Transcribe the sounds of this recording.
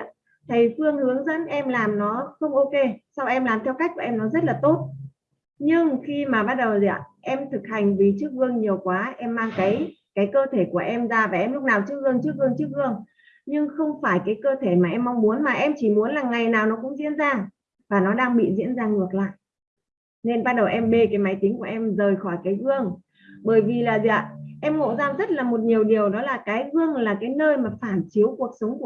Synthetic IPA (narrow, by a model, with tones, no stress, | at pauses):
t̪ʰə˨˦jfɨ˧əŋhɨ˨˦əŋzə̰˧˥nʔɛ˧mlaː˨˩mnɔ˨˦xə˧wŋ͡mʔo˧ke˧sa˧wʔɛ˧mlaː˨˩mt̪ʰɛ˧wka˦˥k̟̚ku˧˩ʔɛ˧mnɔ˨˦zə˦˥t̚laː˨˩t̪o˦˥t̚ | ɲɨ˧ŋxi˧maː˨˩ɓaː˧˥t̚ɗə˨˩wzi˨ə̰˨˩ʔɛ˧mt̪ʰɨ˨˩k̚ha˨˩jŋ̟vi˨˩t͡ɕɨ˦˥ək̚vɨ˧əŋɲi˨˩əwkwaː˨˦ʔɛ˧mːaː˧ŋkaː˨˦j | kaː˨˦jkəː˧t̪ʰe˧˩ku˧˩əʔɛ˧mzaː˧vaː˨˩ʔɛ˧mlʊ˦˥k͡p̚naː˨˩wt͡ɕɨ˦˥ək̚ɣɨ˧əŋt͡ɕɨ˦˥ək̚vɨ˧əŋt͡ɕɨ˦˥ək̚vɨ˧əŋ | ɲɨ˧ŋxə˧wŋ͡mfaː˧˩jkaː˨˦jkəː˧t̪ʰe˧˩maː˨˩ʔɛ˧mːa˧wŋ͡mmu˨˦ənmaː˨˩ʔɛ˧mt͡ɕi˧˩mu˨˦ənlaː˨˩ŋa˨˩jnaː˨˩wnɔ˨˦kʊ̰˧˥ŋ͡mzḭ˧˥ənzaː˧ŋ | vaː˨˩nɔ˨˦ɗaː˧ŋɓḭ˧˨zḭ˧˥ənzaː˧ŋɨ˨˩ək̚la̰ː˧˨jʔ | ne˧nɓaː˧n̚ɗə˨˩wʔɛ˧mɓe˧kaː˨˦jma˨˦jt̪i˨˦ŋ̟ku˧˩əʔɛ˧mzəː˨˩jxɔ˧˩jkaː˨˦jɣɨ˧əŋ | ɓəː˧˩jvi˨˩laː˨˩za˧˨ʔɛ˧mŋo̰˧˨zaː˧ŋzə˦˥t̚laː˨˩mo˨˩t̚ɲi˨˩əwɗi˨˩əwɗɔ˨˦laː˨˩kaː˨˦jɣɨ˧əŋlaː˨˩kaː˨˦jnəː˧jmaː˨˩faː˧˩nt͡ɕi˨˦əwku˨˩ək̚sə˨˦wŋ͡mku˧˩